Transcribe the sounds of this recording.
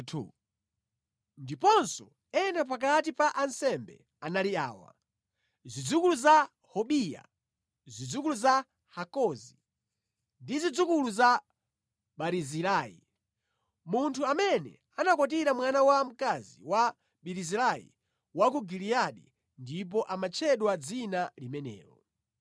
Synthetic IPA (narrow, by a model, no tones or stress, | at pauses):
ndipɔnsɔ | ɛnap̬ak̬atipaʔansɛmbɛ̰ | analia̰ːwa̰ | zid͡zukuluza | hɔɓija̰ | zid͡zukuluza | hakɔzi | ndizid͡zukuluza | ɓaɾizilaːjḭ | muntʰuamɛnɛ̰ | anakɔt̬iɾamwanawam̩kaziwa | ɓiɾizilaḭ | wak̬uɡiliaɗḭ | ndip̬ɔʔamat͡ʃʰɛɗwad͡zinalimɛnɛ̰ːɾɔ